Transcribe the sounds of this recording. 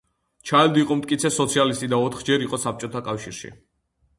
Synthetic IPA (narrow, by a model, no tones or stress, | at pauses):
t͡ʃʰaɛld̪iiqʼɔmt̪ʼkʼit̪sʰɛsɔt̪sʰialist̪ʼid̪aɔt̪ʰχd͡ʒɛɾiqʼɔsap̚t͡ʃʼɔt̪ʰakʼafʃiɾʃḭ